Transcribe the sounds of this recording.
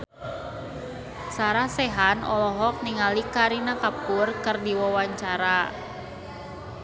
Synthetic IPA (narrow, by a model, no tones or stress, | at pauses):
saɾahsɛɦanɔlɔɦɔk̚niŋalikaɾinakapurkɨrdiwawaɲt͡ʃaɾa